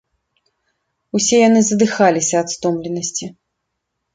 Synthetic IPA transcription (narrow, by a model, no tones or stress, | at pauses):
usʲɛjan̪ɨzɐd̪ɨxalʲisʲɐːt̪st̪ɔmlʲɛnɐsʲt͡sʲi